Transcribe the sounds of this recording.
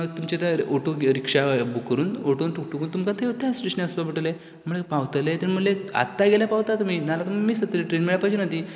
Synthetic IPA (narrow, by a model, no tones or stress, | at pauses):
t̪umt͡ɕet̪aoʈoɾikʂabukːəɾuːnoʈont̪ʰuk̚ʈukuːnt̪umkat̪ʰeut̪ʰasʈɾiʂnsbapiʈəle | m̤əɭepaʋt̪let̪eniməlea̰t̪ːaɡeljapaʋt̪at̪um̤iːnalat̪umamiːsət̪ːəɾiʈɾenmiɭjapat͡ɕʰenat̪iː